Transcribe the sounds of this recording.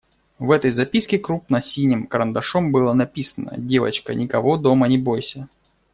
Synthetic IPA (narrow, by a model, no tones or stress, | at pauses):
vɛt̪əjzɐpʲiskʲɪkɾupnəsʲinʲɪmkəɾənd̪ɐʂombɨlˠənɐpʲisənə̰dʲe̞və̰t͡ɕkə̰nʲɪkɐvod̪omənʲɪbojsʲə